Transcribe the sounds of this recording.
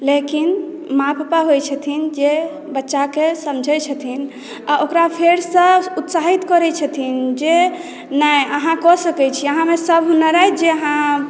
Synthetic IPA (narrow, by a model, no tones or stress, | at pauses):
lekin | mapʰpaɦojt͡ʃʰət̪ʰind͡ʒe | bətːʃakesəmd͡ʒʱɛt͡ʃʰət̪ʰin | aokɾapʰeɾsə̃ut̪saɦit̪kɔɾɛt͡ʃʰət̪ʰind͡ʒe | nəjəɦãkɔsəkɛt͡ʃʰiəɦãmesəbɦunəɾajd͡ʒeəɦã